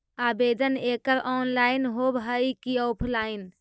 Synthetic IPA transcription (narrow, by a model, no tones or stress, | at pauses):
abed̪ənekəɾɔnlainɦobɦəjkiɔpʰlain